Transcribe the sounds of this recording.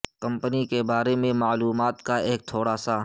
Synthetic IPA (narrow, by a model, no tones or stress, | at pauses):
kɐ̃mpənikebaːɾemẽmaːluːmaːt̪kaeːk̚t̪ʰoːɽaːsa